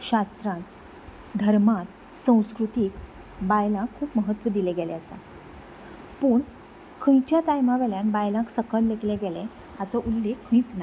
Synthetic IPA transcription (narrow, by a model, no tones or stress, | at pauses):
ɕast̪ɾãt̪ | d̪ʱəɾmat̪ | sə̃w̃skɾut̪iːk | bajlãkʰːuːpməɦət̪ːʋəd̪ilɛɡɛlɛasa̰ | puːɳ | kʰə̃jt͡ɕjat̪ajmaʋɛljãnbajlãksəkəlːekleɡɛle | at͡sɔʔulːekʰːə̃jt͡sna